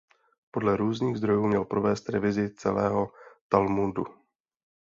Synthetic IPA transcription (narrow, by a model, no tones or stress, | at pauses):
po̞dlɛɾuːzniːɣzd̪ɾo̞juːmɲɛlpɾo̞vɛːst̪ɾɛ̰vɪzɪt͡sɛ̰lɛːɦo̞t̪almundu